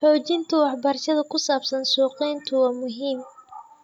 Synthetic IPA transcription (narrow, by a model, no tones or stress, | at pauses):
ħɔːt͡ʃɪnt̪ʰʊwɑħbɐrʃɐðɐkʰʊsaːbsɐnsuːqɛjnt̪ʰʊwɑːmʊɦiːm